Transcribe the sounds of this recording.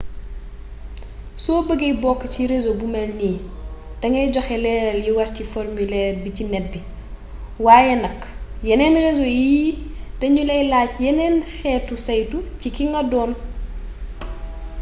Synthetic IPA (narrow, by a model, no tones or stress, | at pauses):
sɔːbəɡejbɔkːɐciɾezobumɛlniːd̥ɐŋɛɟɔxɛlɛnɐljiwɐɾciformylɛːrbicinɛt̚bi | waːjɛnɐkː | jɐnɛnrezojid̥ɐɲulɛjlaːcjɛnɛnxɛtusɐjtucikiŋɡɐdɔːn